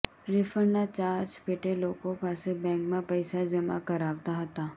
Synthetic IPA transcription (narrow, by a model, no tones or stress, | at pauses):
ɾɪfəɾnat͡ʃaːɾt͡ʃpeʈeloːkõpaːsebɛ̃ːŋkmẽpɐɪsad͡ʒɐma̰kɐɾaːʋt̪aɦɐt̪aː